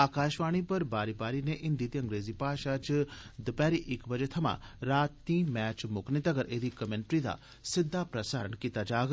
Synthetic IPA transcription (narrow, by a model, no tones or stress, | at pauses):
aːkaːʃʋaːɽ̃ipɐɾbaːɾibaːɾineʔɪnd̪iːt̪iɐŋɡɾeːzipaːʃat͡ʃd̪əpɛːɾiʔɪkbɐd͡ʒet̪ʰɐmã̰ɾaːt̪ːĩːmɛːt͡ʃmʊknit̪ɐɡəɾeːd̪ikɐmeɳʈɾid̪a̰ | sɪd̪ʱːapɾɐsaːɾəɳkiːt̪ad͡ʒaːɡ